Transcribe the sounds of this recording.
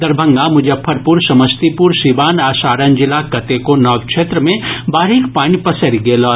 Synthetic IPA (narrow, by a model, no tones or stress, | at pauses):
d̪ɐɾbʱə̃ŋɡamʊd͡ʒʱepʰɐɾpuːɾsɐməst̪ipuɾsibaːnaːsaːɾənd͡ʒɪlakɐt̪ekonɔːʋkt͡ʃʃʰeːt̪ɾəmẽbaːɾikpaːñipɐsəɾiɡeːlɔː